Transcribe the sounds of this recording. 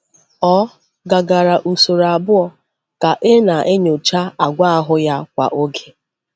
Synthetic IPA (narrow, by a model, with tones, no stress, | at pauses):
ɔ˦ | ɡa˨ɡa˨ɾa˨ʔu˨so˨ɾa˨bʊ˦ɔ˨ | ka˨ʔe˦na˨ʔe˦ɲo˨t͡ʃa˦a˨ɡʷa˦a˦ɦʊ˦ja˦kʷa̰˨ʔo˦ɡe˦